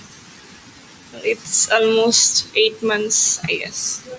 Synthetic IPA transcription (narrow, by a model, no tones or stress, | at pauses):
ɪtsɔlmosteːʈmãnseə̰s